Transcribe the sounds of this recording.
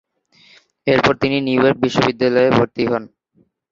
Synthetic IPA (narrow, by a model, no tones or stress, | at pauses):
eɾpɔɾt̪ininiujoɾk̚biʃːobid̪ːalɔebʱoɾt̪iɦɔn